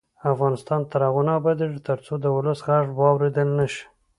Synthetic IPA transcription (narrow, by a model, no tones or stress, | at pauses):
afɣɑnɪst̪ɑnt̪aɾaɣunɑbad̪eʐt̪əɾt͡sod̪əwʊləsɣaʐbwɑwɾed̪əlnaʃi̥